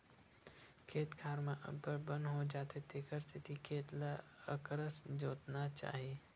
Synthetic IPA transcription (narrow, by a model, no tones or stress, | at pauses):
kʰeːt̪kʰaːɾmãʔə̰bəɾbənɦod͡ʒaːt̪et̪eːkʰəɾst̪ʰɪt̪ʰikʰeːt̪laəkɾəsd͡ʒoːt̪nat͡ʃa̰ːɦii